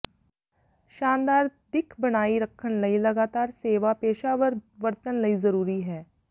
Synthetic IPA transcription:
ʃaːnd̪aːɾd̪ɪkʰbɐɽ̃aːiɾɐkʰːənlɐilɐɡaːt̪aːɾseːʋapeːʃaʋəɾʋɐɾt̪ənlɐizɐɾuːɾiɦɛː

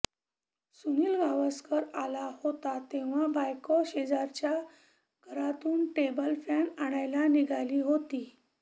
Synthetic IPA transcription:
suniːlɡaʋəskəɾalahot̪at̪eʋ̤abajkɔɕed͡zaɾt͡ɕja | ɡʱəɾat̪uːnʈebəlfanaɽ̃ajlaniɡʱaliːɦot̪iː

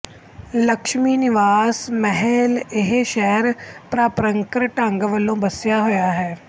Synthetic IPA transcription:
ləkʃmiːnɪʋaːsmɛɦɛlɪɦeʃɛɦəɾpɾaːpɾəŋkɾʈə̃ŋɡʋəlːõːbəsjaːɦoːjaːɦɛː

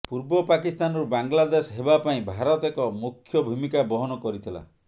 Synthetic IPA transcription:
puɾbɔpakist̪anɔɾubaŋɡlad̪esɦebapaĩbʱaɾɔt̪ekɔmukʰːjɔbʱumikabɔɦɔnɔkɔɾit̪ʰila̰

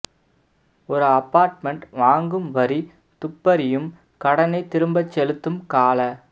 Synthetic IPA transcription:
ɔɾɯɐpːaːɾʈmɛɳʈʋaːŋɡɯmʋɐɾi | t̪ʊpːɐɾɪjɯm | kɐɽɐnɐɪt̪ːɪɾɯmbɐt͡ʃːɛlɯt̪ːɯmkaːlɐ

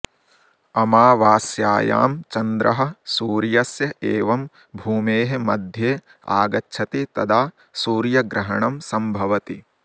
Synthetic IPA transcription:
ɐmaːʋaːsjaːja̰ːmt͡ʃɐnd̪ɾʔɐɦɐ̆suːɾjɐsjɐʔeːʋɐm | bʱuːmeːɦemɐd̪ʱjeː | a̰ːɡɐtːʃʰɐt̪et̪ɐd̪aː | suːɾjɐɡɾɐɦɐɳɐmsɐmbʱɐʋɐt̪i

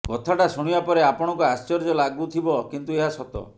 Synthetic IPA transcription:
kɔt̪ʰaʈasuɽ̃ibapɔɾeapɔɽ̃ɔkuast͡ʃɔɾd͡ʒɔlaɡut̪ʰibɔkint̪ueɦasɔt̪ɔ̰

